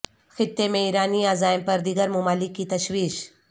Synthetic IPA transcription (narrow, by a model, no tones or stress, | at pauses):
xɪt̪ːemẽiːɾaːniːaːzaːɪmpɐɾd̪iːɡəɾmʊmaːlɪkːit̪ɐʃwiːʃ